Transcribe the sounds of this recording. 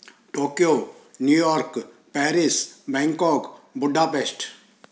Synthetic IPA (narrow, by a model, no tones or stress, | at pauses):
ʈoːkijoːnjuːjɔːɾk | pɛːɾɪsbɛ̃ːŋkɔːkbʊɖaːpeːsʈ